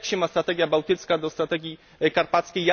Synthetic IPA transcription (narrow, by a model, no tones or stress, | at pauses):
kɕɛmast̪ɾat̪ɛɡʲjabawt̪ɘt̪skad̪ɔst̪ɾat̪ɛɡʲi | kaɾpat̪skʲejːa